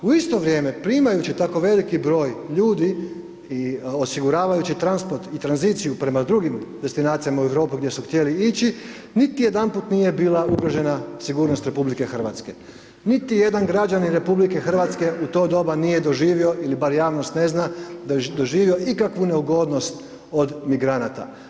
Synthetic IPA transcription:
uist̪o̞ʋɾʲje̞ːme̞pɾiːmajut͡ɕit̪ako̞ʋe̞likibɾo̞ːjʎuːd̪i | io̞siɡuɾaːʋajut͡ɕit̪ɾanspo̞ɾt̪it̪ɾanziːt̪sijupɾe̞mad̪ɾuɡimd̪e̞st̪inaːt̪sijamaue̞ʋɾo̞ːpiɡd̪je̞suxt̪je̞liit͡ɕi | nit̪ijed̪anpuːt̪nije̞biːlˠauɡɾoʒe̞nasiɡuːɾno̞st̪ɾe̞publike̞xər̩ʋat̪ske̞ | nit̪ije̞d̪anɡɾad͡ʒaniɾe̞publike̞xər̩ʋat̪ske̞ʔut̪o̞ːd̪o̞banije̞d̪o̞ʒiːʋio̞ʔilibaɾjaːʋno̞st̪ne̞znad̪oʒiːʋio̞ʔikakʋune̞uɡo̞ːd̪nost̪ | o̞d̪miɡɾanat̪a̰

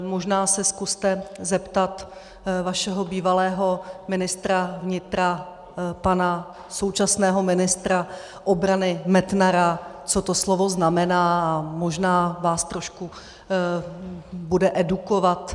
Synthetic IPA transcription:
mo̞ʒnaːsɛskust̪ɛzɛpt̪at̪ | vaʃɛɦo̞biːvalɛːɦo̞mɪnɪst̪ɾavɲɪt̪ɾa | pana | so̞wt͡ʃasnɛːɦo̞mɪnɪst̪ɾa | ʔobɾanɪmɛt̪naɾat͡so̞t̪oslovo̞znamɛnaːamoʒnaːvaːst̪ɾo̞ʃku | budɛʔɛdukovat̪

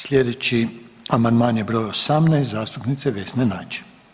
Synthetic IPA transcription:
slʲjed̪et͡ɕi | amand̪maːnjebɾo̞ːjosamnɛjst̪zaːst̪upnit̪seʋesnenaːt͡ʃe̥

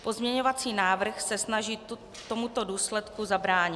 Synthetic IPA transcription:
po̞zmɲɛɲo̞vat͡siːnaːvr̩xsɛsnaʒiː | t̪o̞mut̪o̞duːslɛt̪kuzabɾaːɲɪ

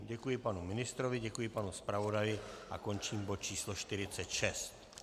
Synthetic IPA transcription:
ɟɛkujɪpanumɪnɪst̪ɾovɪɟɛkujɪpanuspɾavo̞dajɪʔa̰ko̞nt͡ʃiːmbot̪̚t͡ʃiːsloʃt̪ɪɾɪtt͡sɛt̪ʃɛst̪

